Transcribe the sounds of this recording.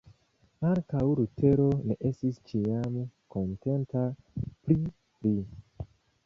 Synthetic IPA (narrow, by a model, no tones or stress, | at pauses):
aŋkawɾutʰe̞ɾone̞ʔe̞stist͡ʃiamko̞nte̞ntapɾi | li